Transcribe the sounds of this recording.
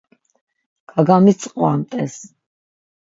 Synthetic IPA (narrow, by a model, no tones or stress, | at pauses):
ɡ̥aɡamit̪sʼqʼwamt̪ʼɛs